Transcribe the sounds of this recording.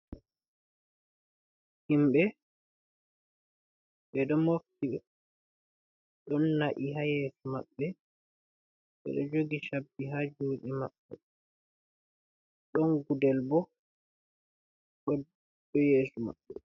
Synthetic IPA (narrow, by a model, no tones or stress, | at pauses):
himɓɛ | ɓɛɗɔmoftiɓɛ | ɗɔnːaʔiɦajeːsumaɓːɛ | ɓɛ̰ɗɔ̰d͡ʒoɡiʃabːiɦad͡ʒuːɗimaɓːɛ̰ | ɗɔnɡudɛlbɔ | ɗɔ | ɗɔjeːsuma̰ɓːɛ